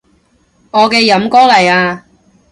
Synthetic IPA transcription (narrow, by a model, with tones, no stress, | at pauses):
ŋɔː˨˧kɛː˧jɐ˨˥mkɔː˥lɐ˨˩jaː˧